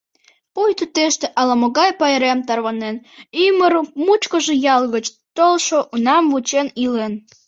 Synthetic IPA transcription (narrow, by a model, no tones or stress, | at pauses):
pujt̪ut̪eʃt̪ĕʔɑlɑmoɣɑjpɑeɾemt̪ɑrβɑnenyməɾmut͡ɕkəʒejɑlɣət͡ɕt̪olʃoʔunɑmvut͡ɕenilen